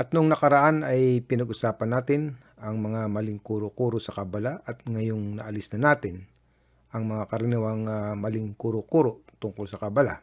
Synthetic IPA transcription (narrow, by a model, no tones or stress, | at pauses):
ʔɐt̪̚noŋnɐkɐɾɐʔanɐjpɪnɐɡʔʊsaːpɐnːaːt̪ɪn | ɐŋmɐŋamɐlɪŋkuːɾokuːɾosɐkɐbɐlaʔɐt̪̚ŋɐjoŋnɐʔɐlɪsnɐnaːt̪ɪn | ʔɐŋmɐŋakɐɾɪnɪwɐŋɐmɐlɪŋkuɾokuɾot̪ʊŋkolsɐkɐbɐla̰